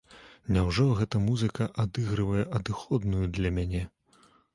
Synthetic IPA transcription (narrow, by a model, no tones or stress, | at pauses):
nʲawʐɔɣɛt̪ɐmuzɨkɐʔad̪ɨɣɾɨvɐjɛʔɐd̪ɨxɔd̪nujud̪lʲɐmʲanʲɛ